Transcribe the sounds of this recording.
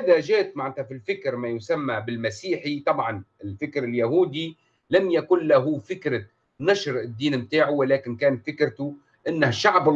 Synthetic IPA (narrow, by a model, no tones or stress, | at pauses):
haðaʒeːt̪maʕɪt̪afilfɪkɾmajʊsamːabɪlmasiːħit̪ˤɑbʕɑnɪlfɪkɾɪljaɦuːd̪i | lamjakʊnlaɦʊfɪkɾa | naʃɾɪd̪ːiːnmt̪aːʕuwɪlæːkɪnkæːnfɪkɾt̪ʊ | ʔɪnːahʃːaʕb